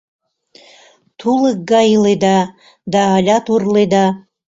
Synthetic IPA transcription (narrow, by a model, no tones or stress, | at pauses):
t̪ʰulək̚ɡɑjled̪ɑ | d̪ɑːlʲɑt̪urled̪ɑ